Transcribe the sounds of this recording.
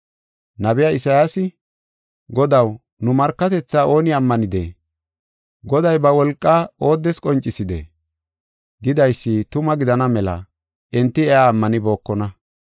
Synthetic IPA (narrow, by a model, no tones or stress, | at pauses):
nɐbɪjaɪsɐjaːsɪ | ɡɔd̪ɐw | nʊmɐɾkːɐt̪ɛt͡sːaːʔo̞ːnɪɐmːɐnɪd̪ḛː | ɡɔd̪ɐjbɐwɔlkʼːaːo̞ːd̪ːɛskʼɔnt͡ʃʼːɪsɪd̪ḛ | ɡɪd̪ɐjsːɪt̪ʊmɐɡɪd̪ɐnɐmɛlɐ̰ | ʔɛnt̪ːɪɛaːmːɐnɪbo̞ːkːɔnɐ